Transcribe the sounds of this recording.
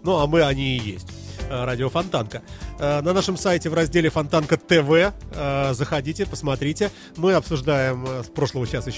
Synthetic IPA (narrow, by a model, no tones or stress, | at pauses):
nuamɨɐnʲiːjḛsʲtʲ | ɾadʲɪofɐnt̪ankənɐnaʂɨmsajtʲɪvrɐzʲdʲelʲɪfɐnt̪ankət̪ɛvɛ | zəxɐdʲitʲɪpə̥smɐt̪ɾʲitʲɪ | mɨɐpsʊʐd̪ajɪmspɾo̞ʂlˠəvəɕasɪɕ